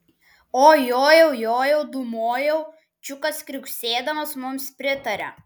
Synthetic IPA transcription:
oːjoːjɛʊjoːjɛʊd̪ʊmoːjɛʊ | t͡ʃʲʊkɐskɾʲʊkʲsʲeːd̪ɐmɐsmʊmspʲɾʲɪt̪ɐɾʲɛ̰

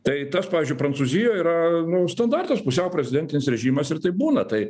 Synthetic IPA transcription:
t̪ɐɪt̪ɐspɑːʋʲɪːzʲd͡ʒʲʊɪpɾɐnt͡ssuːzʲɪjoːiːɾɐnʊst̪ɐnd̪ɑrt̪ɐspʊsʲɛʊpʲɾʲɛzʲɪd̪ʲɛnʲt̪ʲɪnʲɪsɾʲɛʒʲiːmɐsɪɾt̪ɐɪbuːnɐt̪ɐɪ

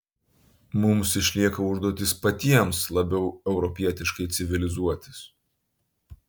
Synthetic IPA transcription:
mʊmsɪʃʲlʲiɛkɐʊʒd̪uɔt̪ʲɪspɐt̪ʲiɛmslˠɐbʲɛʊɛʊɾɔpʲiɛt̪ʲɪʃkɐɪt̪sʲɪʋʲɪlʲɪzuɔt̪ʲɪs

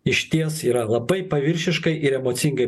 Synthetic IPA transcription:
ɪʃʲt̪ʲiɛsiːɾɐlˠɐbɐɪpɐʋʲɪɾʲʃʲɪʃkɐɪʔɪɾɛmoːt̪sʲɪŋɡɐɪ

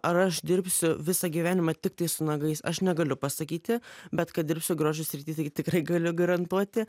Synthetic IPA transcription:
ɐɾɐʃd̪ʲɪɾʲpʲsʲʊʋʲɪsɐɡʲiːʋʲæːnʲɪmɐt̪ʲɪk̚t̪ɐɪsʊnɐɡɐɪsɐ̰ʃnʲɛɡɐlʲʊpɐsɐkʲiːt̪ʲɪbʲɛt̪kɐt̪d̪ʲɪɾpʲsʲʊɡɾoːʒʲʊsʲɾʲɪt̪ʲiːt̪ɐɪt̪ʲɪkɾɐɪɡɐlʲʊɡɐɾɐnt̪uɔt̪ʲɪ

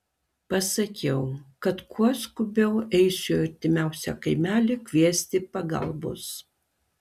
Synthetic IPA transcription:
pɐsɐkʲɛʊkɐt̪kʰuɔskʊbʲɛʊɛɪsʲʊɐɾʲt̪ʲɪmʲæˑʊsʲɛ̰kɐɪmʲæːlʲɪkʲʋʲiɛsʲt̪ʲɪpɐɡɐ̰lˠbʊ̰s

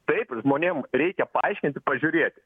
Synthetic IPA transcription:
t̪ɐɪpʒmoːnʲeːmɾʲɛɪkʲɛpɐɐɪʃʲkʲɪnʲt̪ʲɪpɐʒʲʊɾʲeːt̪ʲɪ

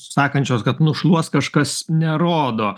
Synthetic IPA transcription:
sɑːkɐnʲt͡ʃʲoːskɐt̪nʊʃlˠuɔskɐʃkɐsnʲɛɾoːd̪oː

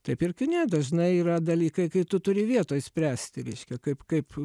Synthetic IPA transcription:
t̪ɐɪpɪrkʲɪnʲɛd̪ɐʒnɐɪiːɾɐd̪ɐlʲiːkɐɪkɐɪt̪ʊt̪ʊɾʲɪʋʲiɛt̪oːjsʲpʲɾʲæːsʲt̪ʲɪɾʲɛɪʃʲkʲɛkɐɪpkɐɪp

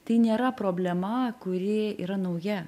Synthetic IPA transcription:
t̪ɐɪnʲeːɾɐpɾoːbʲlʲɛmɐkʊɾʲɪḭːɾɐnɐʊjɛ

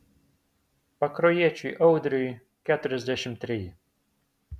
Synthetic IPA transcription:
pɐkɾɔjiɛt͡ʃʲʊjʔɐʊd̪ʲɾʲɪj | kʲæːt̪ʊɾʲɛzʲd̪ʲæʃʲɪmt̪ʲːɾʲɪjɪ

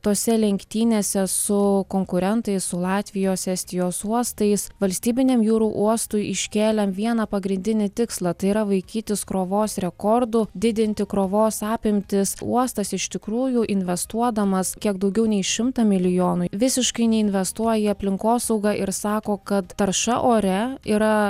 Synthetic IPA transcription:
t̪oːsʲɛlʲɛŋʲkʲt̪ʲiːnʲeːsʲɛsʊkoːŋkʊɾʲɛnt̪ɐɪssʊlˠɑːt̪ʲʋʲɪjoːsɛsʲt̪ʲɪjoːsuɔst̪ɐɪsʋɐlʲsʲt̪ʲiːbʲɪnʲɛmjuːɾuːʔuɔst̪ʊɪʔɪʃʲkʲeːlʲɛmʋʲiɛnɐpɐɡɾʲɪnʲd̪ʲɪnʲɪt̪ʲɪkslˠɐt̪ɐɪiɾɐʋɐɪkʲiːt̪ʲɪskɾoːʋoːsɾʲɛkoːɾd̪ʊd̪ʲɪd̪ʲɪnʲt̪ʲɪkɾoːʋoːsɑːpʲɪmʲt̪ʲɪsṵɔst̪ɐsɪʃʲt̪ʲɪkɾuːjuʔɪnʲʋʲɛst̪uɔd̪ɐmɐskʲiɛɡ̚d̪ɐʊɡʲɛʊnʲɛɪʃʲɪmt̪ɐmʲɪlʲɪjoːnʊʋʲɪsʲɪʃkɐɪnʲɛɪnʲʋʲɛst̪uɔjɪɐpʲlʲɪŋkoːsɐʊɡɑʔɪɾsɑːkoːkɐt̪t̪ɐɾʃɐʔoːɾʲɛiːɾɐ

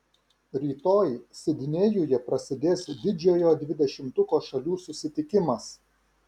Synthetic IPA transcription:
ɾʲiːt̪oːjsʲɪd̪ʲɪnʲeːjujɛpɾɐsʲɪd̪ʲeːsd̪ʲɪd͡ʒʲoːjoːd̪ʲʋʲɪd̪ʲɛʃʲɪmt̪ʊkoːʃɐlʲuːsʊsʲɪt̪ʲɪkʲɪmɐs

